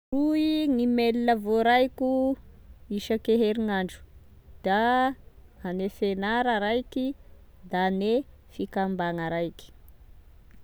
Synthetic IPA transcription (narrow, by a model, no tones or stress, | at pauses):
ruiŋimelinəvoɾajku | iʃəkeɦeɾiŋaɳɖ͡ʐu̥ | d̪̥a | anefenaɾəɾajki | d̪ane | fikambaŋəɾajki̥